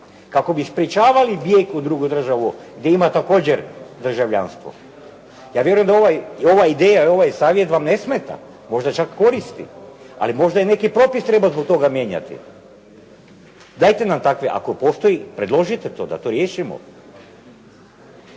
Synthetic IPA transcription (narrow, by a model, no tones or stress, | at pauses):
kako̞bispɾet͡ʃaːʋalibjekud̪ɾuɡud̪r̩ʒaʋuɡd̪jeimat̪ako̞ːd͡ʑeɾd̪r̩ʒaʋʎa̰nst̪ʋo̰ | jaːʋje̞ɾujemd̪aoʋajo̞ʋaid̪ejao̞ʋajsaːʋje̞t̪ʋamne̞smet̪a̰ | mo̞ʒd̪at͡ʃakːo̞ɾist̪ḭ | a̰limo̞ʒd̪ajene̞kipɾo̞pist̪ɾe̞bazbo̞k̚t̪o̞ɡamje̞ːɲa̰t̪ḭ | d̪ajt̪enamt̪akʋeʔa̰kopo̞st̪ojipɾed̪lˠo̞ʒit̪et̪o̞ːd̪a̰t̪o̞ɾjeːʃimo̰